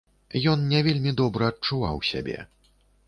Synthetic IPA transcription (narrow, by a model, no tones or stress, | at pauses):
jɔnnʲavʲelʲmʲid̪ɔbɾɐɐt̚t͡ʂuva̰wsʲa̰bʲɛ̰